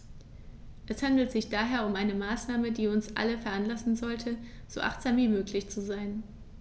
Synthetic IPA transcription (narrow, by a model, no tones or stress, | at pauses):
ʔɛshandl̩tz̥ɪçd̥aːɦeːɐʊmʔaɪnəmaːsnaːmədiːʊnsʔa̰ləfɛɐʔanlasn̩zɔltʰə | z̥o̰ːʔa̰χtz̥aːmviːmøːklɪçt͡suzaɪn